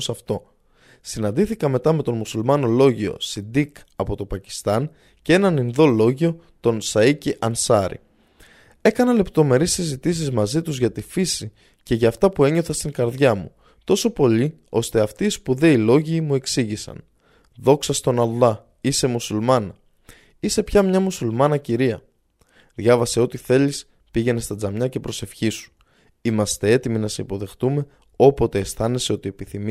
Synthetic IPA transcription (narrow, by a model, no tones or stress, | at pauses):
sɐft̪o̞ | sinɐnd̪iθikɐme̞t̪ɐme̞t̪o̞nmusulmɐno̞lo̞ʝio̞̰sind̪ik | ɐpo̞t̪o̞pɐci̥st̪ɐn | cee̞nɐninðo̞lo̞ʝio̞ | t̪o̞nsɐiciʔɐnsɐɾḭ | e̞kɐnɐle̞pt̪o̞me̞ɾisizit̪is̬izmɐzit̪uzʝɐt̪ifisi | ce̞ʝɐːft̪ɐpue̞ɲo̞θɐst̪iŋɡɐɾðʝɐmu | t̪o̞so̞po̞ʎi | o̞st̪e̞ɐft̪iːspuðe̞ilo̞ʝiːmue̞ksiʝisɐ̰n | ðo̞ksɐst̪o̞nɐlˠːɐ | ise̞musulmɐnɐ | ise̞pçɐmɲɐmusulmɐnɐciɾiɐ | ðʝɐvɐse̞o̞t̪iθe̞lis | piʝe̞ne̞st̪ɐd͡zɐmɲɐce̞pɾo̞se̞fçisu̥ | imɐst̪e̞e̞t̪iminɐseipo̞ðe̞xt̪ume̞ | o̞po̞t̪e̞ːsθɐne̞se̞o̞t̪ie̞piθim